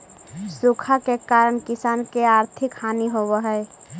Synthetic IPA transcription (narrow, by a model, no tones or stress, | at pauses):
sukʰakekaːɾəɳkɪsaːnkeaːɾt̪ʰɪkhaːniɦobəɦəe